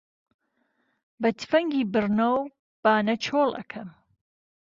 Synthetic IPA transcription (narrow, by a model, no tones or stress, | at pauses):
bɐt̪fɐŋɡiːbɨɾnow | b̥aːnɐt͡ʃʰoːlʔɐ̰kʰɐm